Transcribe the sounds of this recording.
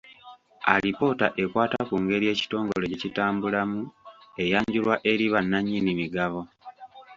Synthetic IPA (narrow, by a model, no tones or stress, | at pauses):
alipo̞ta̰ʔe̞kwaːtakuŋɡe̞ɾie̞ːci̥to̞ːŋɡo̞lececitaːmbulamue̞jaːɲɟulwaʔe̞ɾiβanːaɲːinimiɡaβo̞